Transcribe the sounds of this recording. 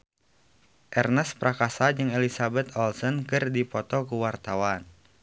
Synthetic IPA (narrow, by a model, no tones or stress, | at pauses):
ʔɛrnɛspɾakasad͡ʒɨŋɛlisabɛt̪ʰɔlsɔnkɨrdipɔt̪ɔkuwart̪awan